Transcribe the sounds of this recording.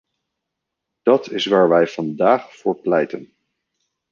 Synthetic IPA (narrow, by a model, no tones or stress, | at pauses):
d̥ɑtɪsʋaːɹʋɛjvɑndaːχfʊːɹplɛjtən